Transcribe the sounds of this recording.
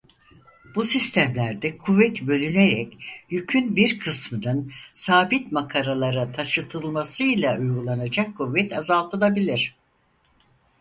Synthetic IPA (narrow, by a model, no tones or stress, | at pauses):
b̥usist̪ʰæmlʲæɾd̪ɛkʰuvːɛt̪bø̞lʲyneɾɛcjycʰynbiɾkʰɯsmɯnɯnsaːbit̪makʰaɾalˠaɾat̪ʰaʃɯt̪ʰɯlˠmasɯjlʲˠaujɡulˠanad͡ʒakʰːuvːɛt̪ʰazalˠt̪ʰɯlˠabilʲiɾ̝̥